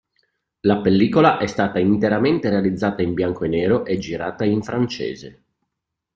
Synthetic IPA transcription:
lapelːiːkolaʔɛst̪aːt̪aint̪eɾament̪eɾealid̪zːaːt̪aimbjaŋkoenːɛːɾoʔɛd͡ʒiɾaːt̪aiɱfɾant͡ʃḛːzḛ

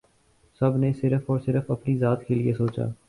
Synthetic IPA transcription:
sɐbnesɪɾəfɔːɾsɪɾəfɐpnizaːt̪keliesoːt͡ʃa̰ː

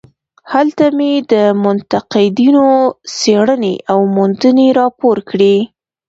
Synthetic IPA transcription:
halt̪amed̪əmʊnt̪aqɪd̪inoseɽənḛʔawmund̪əneɾɑpoɾkɽi

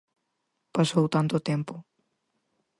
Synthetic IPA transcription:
pasowt̪ant̪ʊt̪empʊ

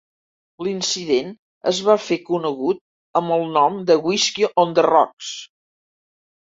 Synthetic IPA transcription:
linsiðen | ə̰zβafekunəɣut̪̚ | əməlˠnɔmd̪əɣwiskioʔond̪ərɔ̰ks

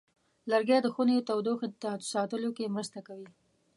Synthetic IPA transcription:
laɾɡjɑd̪əxunet̪awd̪oxt̪at̪o̥sɑt̪əlokemɾəst̪akawi

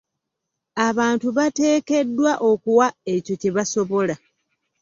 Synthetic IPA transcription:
aβaːntuβate̞ːke̞dːwaʔo̞kuwae̞co̞ceβaso̞βo̞la

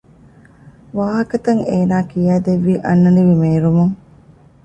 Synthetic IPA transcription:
ʋaːɦɐkɐt̪ɐŋeːnaːkijaːd̪eʋːiʔɐnːɐniʋimeːɾumuŋ

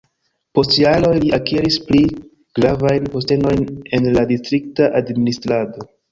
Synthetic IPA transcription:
po̞stjalo̞jliʔakeɾispli | ɡ̥ɾavajnpo̞ste̞no̞jne̞nladistɾik̚taʔadministɾado̞

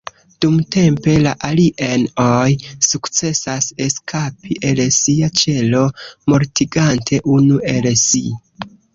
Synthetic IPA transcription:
d̥umte̞mpe̞laʔaliʔenojsukt͡se̞sase̞skʰapiʔe̞lsiat͡ʃe̞lo̞mo̞ɾtiɡantʰe̞ʔunuʔe̞lsḭ

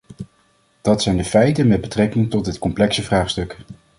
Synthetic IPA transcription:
d̥ɑtsɛjndəfɛjtənmɛd̚bətrɛkɪŋtɔt̚ɦɪtkɔmplɛksəvraːχstɵk

